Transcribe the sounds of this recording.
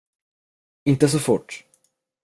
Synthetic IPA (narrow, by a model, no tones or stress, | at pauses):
ɪnt̪əs̬ɔfʊʈː